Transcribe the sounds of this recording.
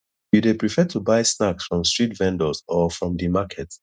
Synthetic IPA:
judepɹifɛtʰubaɪsnaksfɹɔ̃mstɹitvɛ̃ndɔsɔfɹɔ̃mdimakʰɛt

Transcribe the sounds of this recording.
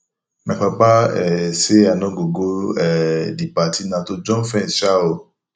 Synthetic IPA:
mɛ̃k͡pabaɛseanɔ̃ɡoɡoɛdipatinãtod͡ʒɔ̃fɛ̃n̩ʃao

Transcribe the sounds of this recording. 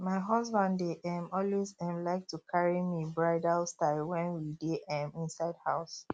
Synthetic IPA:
maɪɦɔsbãndeʔɛmɔlwezɛ̃mlaɪk̚tʰukʰaɹimibɹaɪdalstalwɛ̃nwideʔɛ̃mĩnsaɪdhaʊs

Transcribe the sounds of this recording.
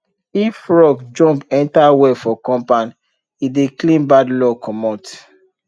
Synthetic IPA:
ifɹɔɡd͡ʒɔ̃mpɛ̃ntawɛfɔkɔ̃mpãn | ideklĩnbadlɔkɔmɔt

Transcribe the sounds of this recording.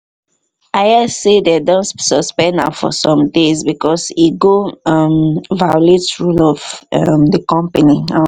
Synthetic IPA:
aɪɛsedɛdɔ̃nsɔspɛ̃na̰fɔ̰sɔ̃mdezbikɔsiɡoamvauletɹulɔvamdəkɔ̃mpəniã

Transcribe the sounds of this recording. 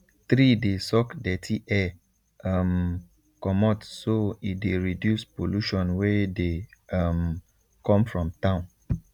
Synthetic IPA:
t̪ɹidesɔkdɛtʰiʔɛ | m | kɔmɔtsoitdeɹidjuspoluʃɔ̃nwɛdeam | kɔ̃mfɹɔ̃mtãʊ̃n

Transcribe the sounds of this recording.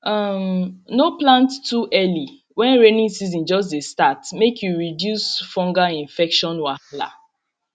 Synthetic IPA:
amnoplãntːuʔɛli | wɛ̃nɹenĩŋsizĩnd͡ʒɔs̬destatmekjuɹidjusfɔ̃ŋɡaĩnfɛkʃɔ̃nwala̰

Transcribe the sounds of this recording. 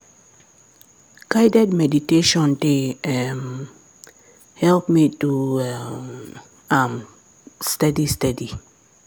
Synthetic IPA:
ɡ̥ajdɛdmɛditeʃɔ̃ndeɛm | hɛlpmitua | am | stadistɛdi

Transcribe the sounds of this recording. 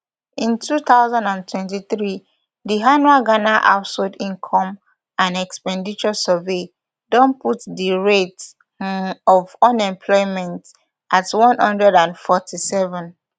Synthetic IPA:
ĩntʰuθaʊzãndãntʰwɛ̃ntiθɹi | diɦanuaɡanaʔa̰ʊtsɔdĩŋkʰɔ̃m | ʔãnɛkspɛ̃ndit͡ʃɔsəve | dɔ̃nputdiɹet | ɔvɔ̃nɛ̃mpʰlɔɪmɛ̃nt | ʔatwɔ̃nhʌ̃ndɹɛdãnfɔtʰisɛvɔ̃n

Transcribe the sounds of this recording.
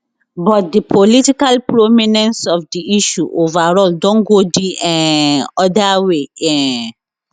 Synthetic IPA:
bɔt̚dipʰolitikalpɾomĩnɛ̃nsɔfdiʔiʃuʔovaɾɔldɔ̃nɡodiɛ̃ɔdaweɛ̃

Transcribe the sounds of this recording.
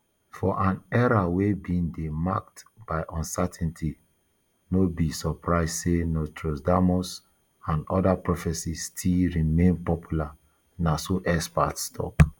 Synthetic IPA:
fɔʔãnɛɹawebindemaktb̥aɪʔɔ̃nsɛtʰɛ̃ntʰi | nobisɔpɹaɪzdsenɔtʰɹosdamɔs | ãnɔ̰dapɹɔfɛsistʰilɹimẽnpɔpjula | nasoʔɛspa̰tstʰɔ̰k

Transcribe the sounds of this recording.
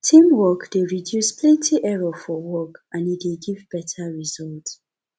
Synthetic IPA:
tʰĩmwɔkdeɹidjuspʰlɛ̃ntʰiʔɛɹɔfɔwɔkʔãnideɡivbɛtʰəɹizɔlt

